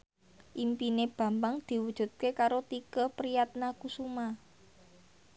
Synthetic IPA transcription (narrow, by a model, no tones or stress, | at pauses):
ʔimpineb̥ä̤mbaŋd̪̥i̤wud̥ʒ̥ṳt̪̚kekaɾot̪ikəhpɾijat̪̚nakusuma